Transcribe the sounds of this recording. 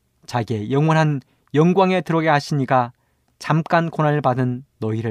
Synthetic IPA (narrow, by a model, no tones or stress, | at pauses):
t͡ɕaɡe̞jʌŋwʌnɦan | jʌŋɡwaŋe̞tɯɾʌɡeɦaɕʰiɲiɡa | t͡ɕamk͈ankonaɯɭpadɯnːʌiɾɯ